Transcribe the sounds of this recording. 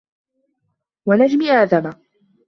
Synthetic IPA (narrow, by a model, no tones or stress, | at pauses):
wanad͡ʒmiːʔaːðama